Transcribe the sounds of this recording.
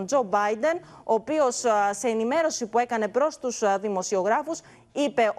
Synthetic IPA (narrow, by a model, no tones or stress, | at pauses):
nd͡zo̞bɐjd̪e̞n | o̞ːpio̞sse̞ːnime̞ɾo̞sipue̞kɐne̞pɾo̞st̪usðimo̞sio̞ɣɾɐfus | ipe̞ʔ